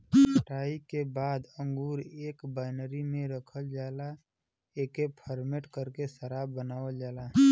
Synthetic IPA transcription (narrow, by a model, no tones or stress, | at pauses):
sʰəʈaːikebaːd̪ə̃ŋɡuːɾeːkbaːɪnɾimẽɾəkʰəld͡ʒaːla | eːkepʰəɾmeʈkəɾkesəɾaːbːənaːʋəld͡ʒaːla